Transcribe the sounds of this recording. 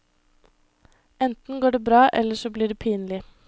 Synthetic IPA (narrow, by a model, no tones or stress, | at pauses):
ɛnt̪n̩ɡoːɖeːbɾɑːʔɛ̰lːəʂɔbliːɖeːpʰiːnlɪ